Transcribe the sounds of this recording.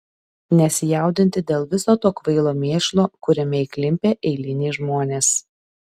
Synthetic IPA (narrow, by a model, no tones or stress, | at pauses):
nʲɛsʲɪjæˑʊd̪ʲɪnʲt̪ʲɪd̪ʲeːlˠʋʲɪsoːt̪oːkʋɐɪlˠoːmʲeːʃlˠoːkʊɾʲɛmʲɛɪklʲɪmʲpʲeːʔɛɪlʲɪnʲeːʒmoːnʲeːs